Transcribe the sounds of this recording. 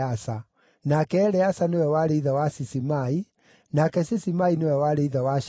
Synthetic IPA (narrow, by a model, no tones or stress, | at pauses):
asa | nakɛːɾɛasanewɛwaɾeiðawasisimai | nakɛsisimainewɛwaɾeiðawaʃ